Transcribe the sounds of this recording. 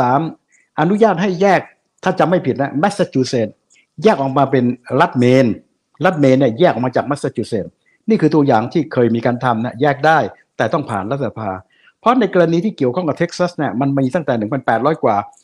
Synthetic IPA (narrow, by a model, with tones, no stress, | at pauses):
saː˩˦m | ʔa˧nu˦˥jaː˥˩t̪̚ha˥˩jːɛː˥˩k̚ | t̪ʰaː˥˩t͡ɕa˧˨ma˥˩jpʰi˨˩t̪̚na˦˥mɛ˦˥t̪̚sa˧˥t͡ɕuː˧˩seː˨˩t̪̚ | jɛː˥˩k̚ʔɔː˨˩k̚maː˧pe˧nɾa˦˥t̪̚meː˧n | la˦˥˩t̪̚meː˧nːi˥˩ɐjɛː˥˩k̚ʔɔ˨˩maː˧t͡ɕaː˨˩k̚mɛ˦˥sa˧˥t͡ɕuː˧seː˨˩t̪̚ | niː˥˩kʰɯː˧t̪u˧ɐjaː˨˩ŋt̪ʰiː˥˩kʰɤː˧jmiː˧kaː˧nt̪ʰa˧mni˥˩ɐjɛː˥˩k̚daː˥˩jt̪ɛː˨˩t̪ɔ˥˩ŋpʰaː˨˩nɾa˦˥t̪̚ʰsa˧pʰaː˧ | pʰɾɔ˦˥na˧jka˧ɾa˧niː˧t̪ʰiː˥˩ki˨˩əwkʰɔ˥˩ŋka˨˩p̚t̪ʰe˦˥k̚sa˦˥sni˥˩ɐma˧nma˧˩miː˧t̪a˥˩t̪ɛː˨˩nɯ˨˩˦mpa˧npɛː˨˩ɾɔː˦˥jkwaː˨˩